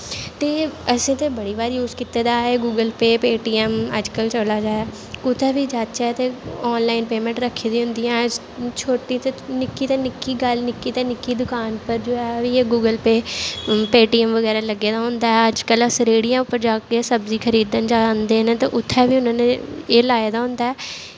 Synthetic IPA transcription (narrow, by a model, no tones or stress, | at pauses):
t̪eːəsẽːt̪eːbəɽiːbaːɾjuːzkit̪eːd̪aːeːɡuːɡəlpeːpeːʈiːɛmə̰d͡ʒkəlt͡ʃəlaːd͡ʒaːaː | kʊt̪ʰɛːʋiːd͡ʒaːt͡ʃɛːt̪eːɔːnlaːɪnpeːmɛ̃ːɳʈɾəkʰːeːd̪iːɦʊ̃nd̪ijãː | t͡ʃʰoːʈiːt̪enɪkiːt̪eːnɪkːiːɡəlnɪkːiːt̪eːnɪkːiːd̪ʊkaːnpəɾd͡ʒoːɛːʋiːeːɡuːɡəlpeːpeːʈiːɛmʋəɡɛːɾaːləɡːeːd̪aːɦʊ̃nd̪aːɦɛəd͡ʒkəlːsəɾeːɽijãːʊpːəɾd͡ʒaːkeːsəbziːkʰəɾiːd̪ənd͡ʒaːnd̪eːnẽːt̪ãːʔʊt̪ʰːɛːʋiːʊnãːneːeːlaːeːd̪aːɦʊ̃nd̪aːɛː